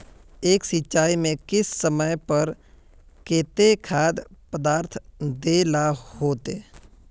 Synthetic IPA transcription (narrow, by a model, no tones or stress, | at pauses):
eːksɪʃaːimẽkɪsːəməjpəɾ | keːt̪ekʰaːd̪pəd̪aːɾt̪ʰd̪eːlahoːt̪eː